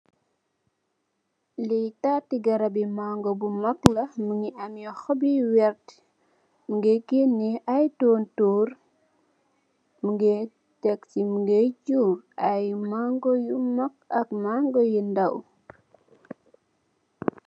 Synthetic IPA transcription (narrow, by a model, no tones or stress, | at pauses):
lijtatːiɡɐɾɐbimaŋɡɔbumɐklɐmuŋiʔɐmjɔxɔbiwɛrt | muɡekenːiɐjtɔntuːr | muɡe | tɛktimuɡed͡ʒuːɾɐjmaŋɡɔjumɐkɐkmaŋɡɔjundɐw